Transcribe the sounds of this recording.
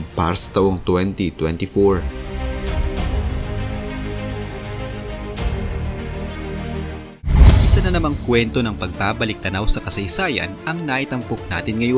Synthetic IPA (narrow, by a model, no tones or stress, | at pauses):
pa̰ɾɐsɐ̥t̪ɐwoŋt̪wɛnt̪it̪wɛnt̪ifoɹ | ʔɪsanɐnɐmaŋkwɛnt̪o̞nɐŋpɐɡ̚baːbɐlɪk̚t̪ɐnawsɐkɐsɐjsaːjɐ̰nʔɐŋnaʔit̪ɐmpok̚na̰ːt̪ɪnŋɐjo